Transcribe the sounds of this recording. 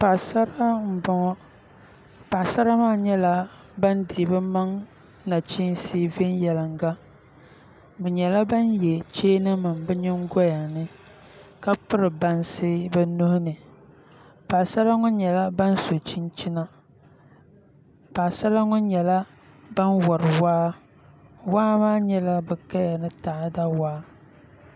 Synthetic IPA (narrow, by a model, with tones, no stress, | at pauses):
pa˨sa˦ɾa˦m̩˦˨bɔ˨ŋɔ˦ | pa˨sa˦ɾa˦maː˦˨ɲɛ˦la˦ | ba˦ndi˨bɨ˦ma˦ŋ | na˨t͡ʃi˦n˦siː˦ve˦njɛ˨la˨ŋɡa˦ | bɛ˨ɲɛ˨la˦ba˦njɛ˨t͡ʃeː˦nɨ˦ma˨mbɛ˦ɲɪ˦ŋ˦ɡɔ˦ja˨nɨ˦ | ka˦pɨ˦ɾɨ˨ba˨nsɪ˦bɛ˦no˦hʊ˦nɨ˨ | paː˨sa˦ɾa˦ŋʊ˦ɲɛ˨la˦ba˦n˦so˨t͡ʃi˦nt͡ʃi˦na˦ | paː˨sa˦ɾa˦ŋʊ˦ɲɛ˨la˦ | ba˦nwɔ˨ɾɨ˨waː˦ | waː˦maː˦ɲɛ˦la˦bɛ˨ka˦ja˨nɨ˦taː˨˦da˦waː˦